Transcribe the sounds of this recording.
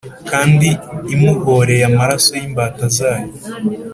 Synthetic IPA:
kaːndiːmuɡoɾe̞jamaɾaso̞jimbaːtazaːjo

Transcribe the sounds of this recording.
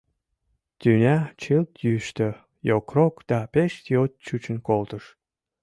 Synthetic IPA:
t̪ynʲæt͡ɕɨlt̪jyʃt̪ø | jokrokd̪̥ɑpeʃt̪ʲiot̪̚t͡ɕut͡ɕə̆nkolt̪əʃ

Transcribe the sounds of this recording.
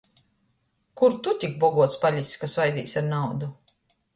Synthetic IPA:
kuɾt̪ut̪ʲik̚bɔɡuɔt̪spaʎʲit̪ʲsʲkasvajd̪ḭːsʲaɾnawd̪u

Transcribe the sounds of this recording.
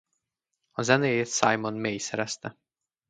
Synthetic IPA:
ɔzɛnet̪sajmɔnmejsɛɾɛst̪ɛ

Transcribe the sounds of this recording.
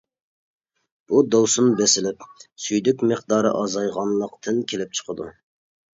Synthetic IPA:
b̥ud̪owsunbesɪlɪpsyjd̪ykʲməqd̪ɑːɾɨ̰ʔɑzɑjʁɑnlˠəqt̪ʰɨnkʲʰelɪp̚t͡ʃʰə̥qʰəd̪ṵ

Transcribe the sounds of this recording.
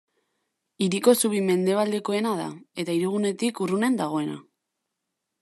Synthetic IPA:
iɾiko̞suβime̞nd̪e̞β̞ald̪e̞ko̞e̞nað̞a̰e̞t̪aiɾuɣ̞une̞t̪ikurune̞nd̪aɣ̞o̞e̞na̰

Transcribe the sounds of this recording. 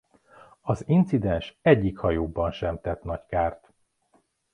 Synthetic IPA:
ɒzint̪sid̪ɛnʃɛɟːikhɒjoːbɒnʃɛmt̪ɛt̪nɒckaːrt̪

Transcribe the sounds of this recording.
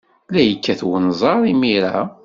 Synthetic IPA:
læjəkːæθwənzˤɑɾˤimiɾæ̰

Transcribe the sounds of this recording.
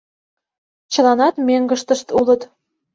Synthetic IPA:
t͡ɕə̆lɑnɑt̪meŋɡə̆ʃt̪ə̆ʃt̪ulə̆t̪

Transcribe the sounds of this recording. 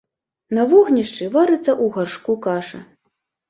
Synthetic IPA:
nɐvɔɣnʲiʂt͡ʂɨvaɾɨt̪sːɐʔuɣarʂkukaʂɐ̰

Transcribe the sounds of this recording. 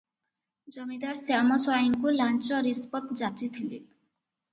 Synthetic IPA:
d͡ʒɔmid̪aɾseamɔsuaiŋkulant͡ʃɔɾispɔt̪d͡ʑat͡ʃit̪ʰili

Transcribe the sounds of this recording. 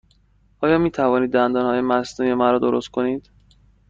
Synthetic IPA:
ʔɒːjɒːmiːt̪ʰævɒːniːd̪ːænd̪ɒːnhɒːje̞mæsnuːje̞mæɾɒːd̪oɾost̪̚kʰo̞niːd̪̥

